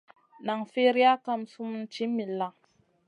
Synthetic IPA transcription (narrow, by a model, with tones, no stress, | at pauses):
na˨ŋfe˦ɾi˦a˦ka˦msu˦mu˦n˦t͡ʃi˦mi˨la˨ŋ